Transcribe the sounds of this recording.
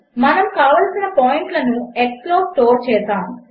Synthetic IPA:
mɐnɐmkaːʋɐlsinɐpoːjiɳʈlɐnueksploːsʈoːɾt͡ʃɛːsaːmu

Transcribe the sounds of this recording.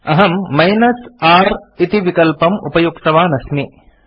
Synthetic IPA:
ɐɦɐmːɐjnɐsaːɾit̪iʋikɐlpɐmṵpɐjukt̪ɐʋaːnɐsmi

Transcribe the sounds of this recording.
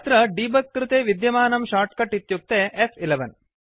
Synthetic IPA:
t̪ɾɐɖiːbɐkːɾɪt̪eːʋid̪jɐmaːnɐmʃaːɾʈkɐʈːit̪juk̚t̪eːʔepʰileʋɐn

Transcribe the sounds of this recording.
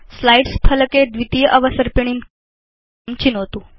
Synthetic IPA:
slajɖspʰələked̪ʋit̪iːʔəʋəsəɾpeɳ̃in | mt͡ɕʰinɦot̪uː

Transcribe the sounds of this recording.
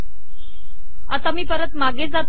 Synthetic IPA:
at̪amiːpəɾət̪maɡed͡zat̪

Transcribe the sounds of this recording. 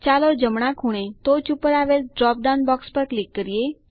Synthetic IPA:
t͡ʃaːlɔɾd͡ʒəmɽ̃ãkʰuɽ̃ẽt̪ot͡ʃupəɾaːʋelɖɾɔːp̚ɖawnbɔːkspəɾklikːəɾije

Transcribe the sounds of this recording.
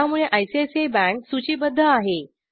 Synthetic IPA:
amuɭeʔajsiesebæ̃ŋksut͡ɕiːbəd̪ʱːəaɦe

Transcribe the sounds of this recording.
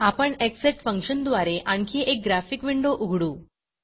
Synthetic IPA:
apəɳekseʈfəŋkɕənd̪ʋaɾeʔankʰiʔek̚ɡɾafikʋiɳɖoʔuɡʱɽuː

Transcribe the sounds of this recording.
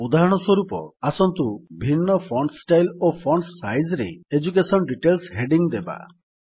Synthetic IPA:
ud̪aɦɔɽ̃ɔswɔɾupɔ̰asɔnt̪ubʱinːɔpʰɔɳɖsʈajlopʰɔɳɖsajd͡ʒɾḛːd͡ʒukesɔnɖiʈelsɦeɖiŋd̪eba̰

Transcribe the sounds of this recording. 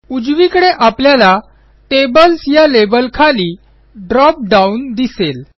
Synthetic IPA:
ud͡ʑʋikəɽeʔapljala | ʈebəlsjalebəlkʰaliː | ɖɾɔp̚ɖaund̪isel

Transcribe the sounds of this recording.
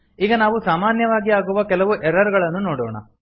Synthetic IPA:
iːɡɐnaːʋusaːmaːnjɐʋaːɡiaːɡuʋɐkɛlɐʋuʔɛɾɐɾɡɐɭɐnːunoːɽoːɳɐ̰

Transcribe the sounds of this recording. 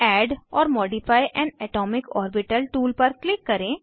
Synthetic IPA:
ɛːɖɔːɾmɔːɖɪfʰaːiʔɛ̃ːnɛːʈɔːmɪkɔːɾbɪʈəlʈuːlpɐɾklɪkːɐɾẽː

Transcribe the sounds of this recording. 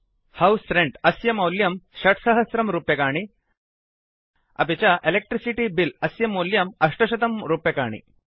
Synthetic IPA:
hawsɾẽɳʈɐsjɐmɐwljɐmɕɐʈʰsɐɦɐsɾɐmɾupjɐkaːɳ̃i | ɐ̰pet͡ɕaʔelek̚ʈɾisiʈibilɐsjɐmoljɐmɐʂʈɐɕɐt̪ɐmɾupjɐkaːɳ̃ḭ

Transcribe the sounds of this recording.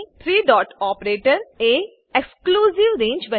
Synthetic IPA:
t̪ʰɾiːɖɔːʈɔːpɾeːʈəɾeː | ekskluːziʋɾẽːɲd͡ʒʋɐ̃

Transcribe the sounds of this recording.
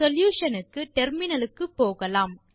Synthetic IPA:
ɔljuːʂɐnɯkːɯʈɛɾmɪnɐlɯkːɯpːoːɣɐlaːm

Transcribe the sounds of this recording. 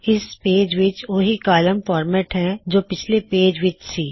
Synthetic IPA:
ɪspeːd͡ʒʋɪt͡ʃʋoɦikaːləmfɔːɾmɛːʈɦɛ̃d͡ʒoːpɪt͡ʃʰlepeːd͡ʒʋɪt͡ʃsiː

